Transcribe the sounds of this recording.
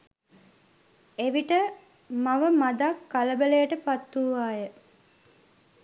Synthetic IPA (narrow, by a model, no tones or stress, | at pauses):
eʋiʈə | maʋəmad̪akːaləbəlejəʈəpat̪ːuːʋaːjə